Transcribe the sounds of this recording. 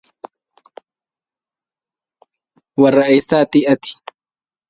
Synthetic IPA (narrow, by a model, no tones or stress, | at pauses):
wɐrːɐʔɛjsaːt̪ɪʔɐt̪ɪ̥